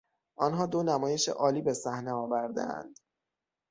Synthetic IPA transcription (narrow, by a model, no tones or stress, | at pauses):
ʔɒnɦɒːd̪onæmɒːje̞ʃḛʔɒːliːbe̞sæhneɒːvæɾd̪ḛæ̰nd̪̥